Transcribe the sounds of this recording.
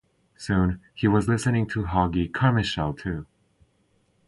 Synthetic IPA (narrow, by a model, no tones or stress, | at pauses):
sũniwʌzlɪsɨnɪ̃ŋtʰəɦɑɡikʰɑɹmɨʃɛlˠtʰʉ